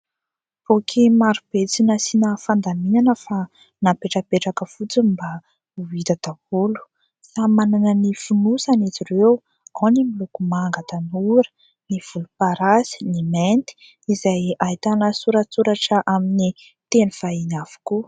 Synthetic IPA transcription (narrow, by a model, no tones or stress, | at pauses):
v̥okʰimaɾub̥et͡sinəsinəfand̪aminanəfa | napeʈ͡ʂəpeʈ͡ʂakəfut͡siba | uit̪ad̪̥avulu̥ | samananənifunusanet͡sirew | onimilukumaŋɡat̪anuɾə̥ | niv̥ulupaɾazi̥niment̪i̥ | izajajt̪anəsuɾat͡suɾaʈ͡ʂəʔamini | t̪enuv̥ainav̥u̥ku